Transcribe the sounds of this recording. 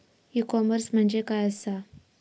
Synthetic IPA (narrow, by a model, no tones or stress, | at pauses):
ikɔməɾsm̤əɳd͡ʑekajəsa